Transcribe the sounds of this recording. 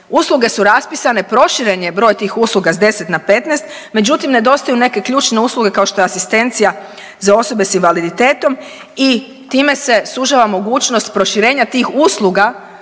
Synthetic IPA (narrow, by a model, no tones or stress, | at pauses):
uːslˠuɡe̞suɾaspisane̞pɾo̞ʃiɾe̞ɲe̞bɾo̞ːjt̪iːxusluɡazd̪e̞set̪nape̞t̪nɛst̪ | me̞d͡ʑut̪imne̞d̪o̞st̪ajune̞ke̞kʎuːt͡ʃne̞uːsluɡe̞kao̞ʃt̪o̞jeasist̪e̞nt̪sija | zao̞so̞be̞sinʋalid̪it̪e̞ːt̪o̞m | i | t̪iːme̞se̞suʒaʋamo̞ɡuːt͡ʃnost̪pɾo̞ʃiɾe̞ːɲat̪iːxuːslˠuɡa